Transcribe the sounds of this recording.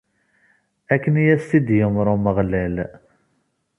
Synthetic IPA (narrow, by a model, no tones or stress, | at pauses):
ækːənijæst̪id̪jəmɾˤoməʁlæl